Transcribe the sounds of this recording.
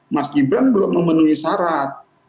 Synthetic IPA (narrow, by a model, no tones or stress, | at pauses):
maskibɾanbəlʊmːəmənuisaɾat̪̚